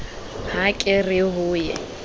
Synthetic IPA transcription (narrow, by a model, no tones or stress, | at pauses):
hakʼɪrɪɦʊːjɛ